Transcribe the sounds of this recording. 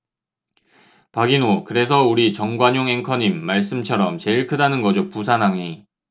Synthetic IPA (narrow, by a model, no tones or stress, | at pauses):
paɡinokɯɾe̞s̬ʰʌuɾit͡ɕʌŋɡwaɲoŋɦe̞ŋkʰʌɲimːaɭs͈ɯmt͡ɕʰʌɾʌmt͡ɕe̞iɭkʰɯdanɯnɡʌd͡ʑopusʰanaŋi